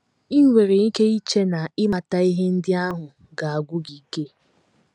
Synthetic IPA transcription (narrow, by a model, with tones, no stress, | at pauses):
i˦ŋ˦ŋʷe˨ɾe˨i˦ke˦i˦t͡ʃe˦na˨ɪ˦ma˨ta˦i˦ɦe˦n̩˦dɪ˦a˦ɦʊ˨ | ɡa˨a˨ɡʷʊ˦ɡi˨ke˦